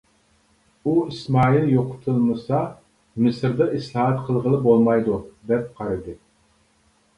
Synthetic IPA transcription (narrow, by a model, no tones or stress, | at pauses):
uismɑːilˠjoqʰʊ̥t̪ʰɨlˠmɨsɑ | mɨsɪɾd̪ɑʔislˠɑɦɛt̪qʰəlˠʁəlˠɨbolˠmɑjd̪ud̪ɛp̚qʰɑɾɨd̪ɨ